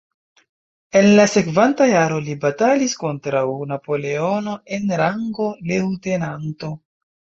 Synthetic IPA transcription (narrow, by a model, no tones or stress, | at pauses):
e̞nlase̞kvantajaɾo̞libatalisko̞ntɾawnapo̞le̞o̞no̞e̞nɾaŋɡo̞lewte̞nanto̞